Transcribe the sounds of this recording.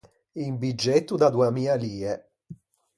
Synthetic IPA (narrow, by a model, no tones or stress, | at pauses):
imbid͡ʒːet̪ːud̪ad̪uamiːaliːɛ